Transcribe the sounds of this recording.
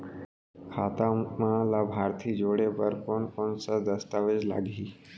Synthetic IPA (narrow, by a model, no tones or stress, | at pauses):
kʰaːt̪ãmãlaːbʱaːɾt̪ʰiːd͡ʒoːɽepəɾponkonsad̪əst̪aːʋed͡ʒla̰ːɡiː